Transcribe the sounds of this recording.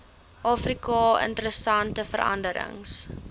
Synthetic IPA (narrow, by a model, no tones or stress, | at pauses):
ʔɑːfrikɑːə̰ntəɾəsɐntəfərʔɐ̰ndəɾə̰ŋs